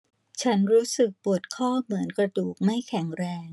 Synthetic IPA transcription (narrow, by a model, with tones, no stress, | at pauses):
t͡ɕʰa˦˥nɾuː˦˥sɯ˨˩k̚pu˨˩ət̪̚kʰɔː˥˩mɯ˩˦ənkɾa˧duː˨˩k̚ma˥˩jkʰɛ˨˩˦ŋɾɛː˧ŋ